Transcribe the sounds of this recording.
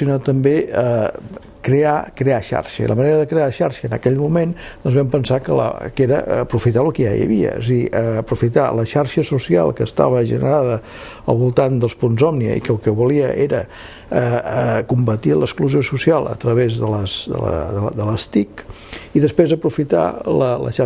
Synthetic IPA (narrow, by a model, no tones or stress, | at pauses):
unat̪ːəmbeə | kɾeakɾeaʃa̰ɾʃə̰ḭlʔə̰məneɾəðəkɾeaʃaɾʃəːnəkɛʎmumend̪ɔnzβɛmpənsakələ̰keɾəːpɾufit̪alukəja̰jə̰βiə̰səɣiʔəːpɾufit̪a̰ləʃaɾʃəsusia̰lˠkəːst̪a̰β̞əʒə̰nəɾaðə | ə̰lˠβulˠt̪and̪əlˠspunzɔmniə̰ḭkəlˠkəβuliəʔeɾə | əəkumbət̪iləkskluziosusialˠə̰t̪ɾəβezðələsd̪ə̰ə̰əd̪ələst̪ik | iðəspɾezəpɾufit̪a̰lələ̰ʃa